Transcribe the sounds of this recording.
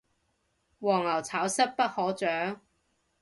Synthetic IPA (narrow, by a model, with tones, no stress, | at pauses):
wɔː˨˩ŋɐ˨˩wt͡sʰaː˨˥wsɐ˥t̚pɐ˥t̚hɔː˨˥t͡ʃœː˨˥ŋ